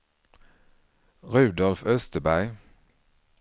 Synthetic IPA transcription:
ʁʉːd̪ɔlfœst̪əbæɪ

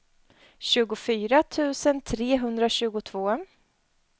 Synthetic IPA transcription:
ɕʉ̟ːɡʊfyːɾat̪ʰʉ̟ːsənt̪ʰɾeːɦɵnd̪ɾaɕʉ̟ːɡʊt̪ʰv̥oː

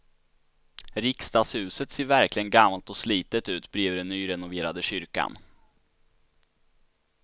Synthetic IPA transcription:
ɾɪkst̪ɑːshʉ̟ːsət̪seːɾvæɾklɪɡənɡamːalt̪ɔsliːt̪ət̪ʉ̟ːt̪bɾeːvd̪ɛnːyːɾɛnʊveːɾad̪əɕʏɾka̰n

